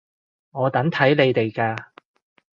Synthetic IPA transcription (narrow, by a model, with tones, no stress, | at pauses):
ŋɔː˨˧t̪ɐ˨˥ŋt̪ʰɐ˨˥jle˨˧jt̪e˨jkaː˧